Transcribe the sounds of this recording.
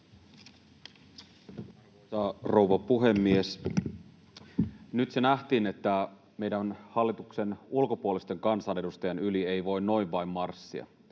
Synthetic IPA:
sɑro̞wʋɑpuɦe̞mːie̞s | nyt̪senæht̪iːne̞t̪ːæ | me̞jdænhɑlːit̪ukse̞nulko̞puolist̪e̞ŋkɑnsɑːne̞dust̪ɑjɑnylie̞jʋo̞jnːo̞jʋʋɑjmːɑrsːḭɑ̰

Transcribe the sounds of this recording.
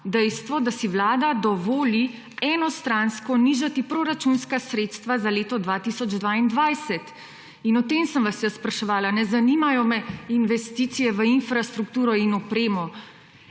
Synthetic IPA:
d̪ɛjst̪ʋɔd̪asiʋlaːd̪ad̪ɔʋoːli | ɛnɔst̪ɾanskɔniːʒat̪ipɾoɾat͡ʃunskasɾeːt̪st̪ʋazaleːt̪ɔd̪ʋat̪isɔd͡ʒd̪ʋaind̪ʋajsɛt̪ | inɔt̪eːmsəmʋasjɛsːpɾaʃɛʋaːlanɛzaniːmajɔmɛinʋɛst̪iːt̪sijɛʋəinfɾast̪ɾukt̪uːɾɔinɔpɾeːmɔ

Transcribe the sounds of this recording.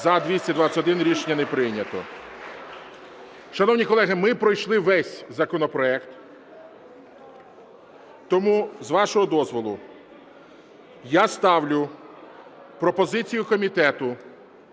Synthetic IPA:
zɐd̪ʲʋʲisʲtʲɐd̪ʋat͡sʲɐtʲɔd̪ɪnɾʲiʃenʲːɐnepɾɪnʲɐt̪ɔ̰ | ʃɐnɔwnʲikɔlˠɛɦɪmɪpɾɔjʃlˠɪʋɛsʲzɐkɔnɔpɾɔɛkt̪ | t̪ɔmuzʋɑʃɔɦɔd̪ɔzʋɔlˠʊ | jast̪ɑwlʲʊ | pɾɔpɔzɪt͡sʲijʊkɔmʲit̪ɛt̪ʊ

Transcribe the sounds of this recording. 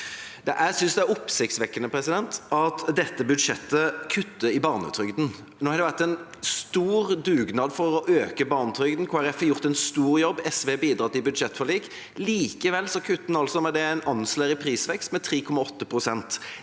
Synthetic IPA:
d̪ɛʔæsʏnsd̪ɛæɾʊpsɪk̚t̪sʋɛkːənəpʰɾɛsɪd̪ɛnt̪ɑt̪d̪ɛt̪ːəbʉd̪ʂɛt̪ːəkʰʉt̪ːəɪbɑːʁnə̰t̪ʰɾʏɡd̪n̩ | noːhɑɾd̪ɛʋæʁt̪ɛn | st̪uːɾd̪ʉːɡnɑːd̪fɔɾɔʔøːkəbɑːʁnət̪ʰɾʏɡd̪n̩kʰoːæɾɛfɑjʊʁt̪ɛnst̪uːɾjɔbːɛsʋeːbiːd̪ɾɑːt̪ɪlbʉd̪ʂɛt̪ːfɔliːk | liːkəʋɛlːsɔkʰʉt̪ːn̩ɑlsɔmɛd̪ɛæɪnɑnsleːɾɪpʰɾiːsʋɛkst̪mɛt̪ʰɾiːkʰɔmːɑɔt̪ːəpʰɾʊsɛnt̪

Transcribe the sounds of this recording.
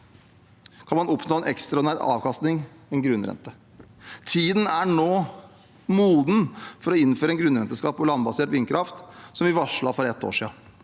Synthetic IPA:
kʰɑnmɑnɔpnoːɛnʔɛkst̪ɾɑɔnæɾɑ̰ːʋkɑst̪nɪŋ | ɛnɡɾʉnɾɛ̰nt̪ə | t̪ʰiːd̪ən̩æɳoː | muːd̪n̩fɔɾɔɪnːføːɾəɛnɡɾʉnɾɛnt̪əskɑːpɔlɑnbɑseːʈʋɪːnkʰɾʔɑft̪sɔmʋɪʋɑʂɭɑfɔɾɛt̪ːo̰ːʂḭːɑ

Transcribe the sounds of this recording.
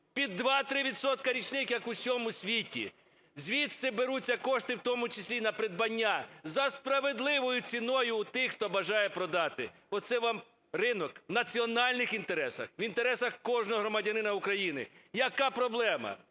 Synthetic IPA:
pʲid̪ːʋɑt̪ɾɪʋʲit̪sɔt̪kɐɾʲit͡ʃnɪxjɐkusʲɔmʊsʲʋʲitʲḭ | zʲʋʲit̪sɪbeɾut͡sʲːɐkɔʃt̪ɪwt̪ɔmʊt͡ʃɐsʲlʲinɐpɾed̪̚bɐnʲːazɐspɾɐʋed̪lˠɪʋɔjʊt͡sʲinɔjʊːt̪ɪxt̪ɔbɐʒɑjɛpɾɔd̪ɑt̪ɪ | ɔt̪sɛʋɑm | rɪnɔknɐt͡sʲiɔnɑlʲnɪxint̪eɾɛsɐxʋint̪eɾɛsɐxkɔʒnɔɦɔɦɾɔmɐdʲɐnɪnɐukɾɐjinɪ̰jɐkɑpɾɔblˠɛmɐ̰

